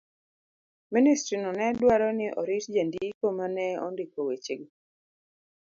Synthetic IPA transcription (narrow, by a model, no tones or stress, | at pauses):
ministɾinɔnɛdwaɾɔnɪʔɔ̰ɾitd͡ʒendiikomanɛɔ̰ndɪkowet͡ʃeɡ